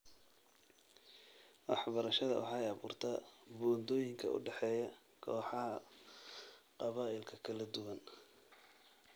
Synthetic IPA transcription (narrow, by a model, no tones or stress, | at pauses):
wɑ̰ħbɐɾɐʃɐðɐ̰wʔɑ̰ħɑjɑβṵːrt̪ʰabɔːnd̪ɔːjɪŋkʰɐ̰ʔʊ̰ɖɛħɛːjɐ | kʰɔːħɑɦɐ | qɑβaːɪlkʰɐkʰɐlɐd̪ʊwɐn